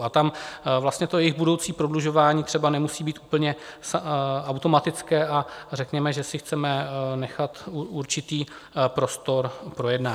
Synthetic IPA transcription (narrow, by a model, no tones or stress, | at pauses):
at̪amvlast̪ɲɛt̪o̞jɛjɪɣbudo̞wt͡siːpɾo̞dluʒo̞vaːɲiːt̪r̝̥ɛbanɛmusiːbiːt̪ʔuːpl̩ɲɛsawt̪o̞mat̪ɪt͡skɛːʔarɛkɲɛmɛʒɛsɪxt͡sɛmɛnɛxat̪uuɾt͡ʃɪt̪iː | pɾo̞st̪o̞ɾpɾo̞jɛdnaː